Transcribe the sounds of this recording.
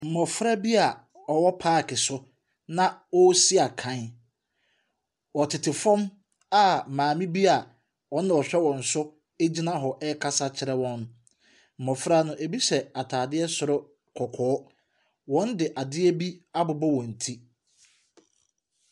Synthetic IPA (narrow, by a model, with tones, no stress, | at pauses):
m̩˨mɔ˨fɾa˦bi˦a˨ | ɔ˨wɔ˦pʰaː˦˨kʰɪ˨sʊ˦ | nã˦wɔ˦si˦a˨kʰã˨˦n˦ | wɔ˨tʰɪ˨tʰɪ˨fɔ̃˦m | a˨mãː˨mĩ˦bi˦a˨ | wɔ̃˦n˦nã˨ɔ˨ɕᶣɛ˦wɔ̃˨n̩˨sʊ˦ | e˦d͡ʑi˦nã˦ɦɔ˨ʔɛ˦kʰa˦sa˦t͡ɕʰɪ˦ɾɛ˦wɔ̃˦n | m̩˨ɔ̃˨fɾa˦nʊ̃˦ʔe˨bi˦sɛ˨a˨tʰaː˨dɪ˦ɛ˦sʊ˨ɾʊ˦ | kʰɔ˨kʰɔː˨˦ | wɔ̃˦ndɪ˨ʔa˨dɪ˦ɛ˦bi˦a˦bʊ˨bɔ˦wɔ̃˨n̩˨tʰi˦